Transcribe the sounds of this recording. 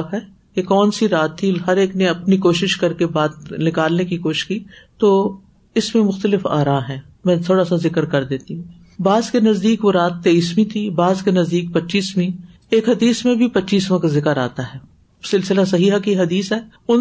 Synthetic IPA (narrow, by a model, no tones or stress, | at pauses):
kɦɛː | kekɔːnsiɾaːt̪ʰːiɦɐɾeːknẽɐpnikoːʃɪʃkɐɾkebaːt̪nɪkaːlnekikoːʃɪ̥ʃkiːt̪oː | ɪsmẽmʊxt̪əlɪfa̰ːɾãːɦɛ̃ː | mɛ̃ːt̪ʰoːɽasazɪkəɾkɐɾd̪eːt̪iɦũ | baːzkenɐzd̪iːkʋoɾaːt̪ːeːiːsmĩt̪ʰibaːzkenɐzd̪iːk̚pɐtːʃiːsmĩ | eːkɦɐd̪iːsmẽbʱipɐtːʃiːsmãkzɪkəɾa̰ːt̪aɦɛː | sɪlsɪlasɐɦiːɦakiɦɐd̪iːsɦɛː | ʊn